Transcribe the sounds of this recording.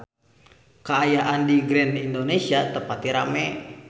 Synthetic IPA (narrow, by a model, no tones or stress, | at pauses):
kaːjaʔandiɡɾɛnindonesiat̪əpat̪iɾamɛ